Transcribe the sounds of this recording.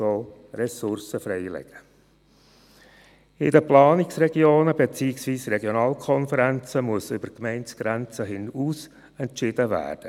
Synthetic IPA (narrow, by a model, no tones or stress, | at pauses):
oːrɛsʊɾsəfɾɛɪlɛ̰ɡ̥ə | ɪdəplɑːnɪksrɛɡ̥ioːnəbet͡siːɪksʋiːsrɛɡjonɑːlkʰɔnfəɾænt͡səmuəsʏb̥əkmɛɪntsɡ̥ɾænt͡səɦɪnuːs | ɛntt͡ʃɪdəvæ̰ːrd̥ə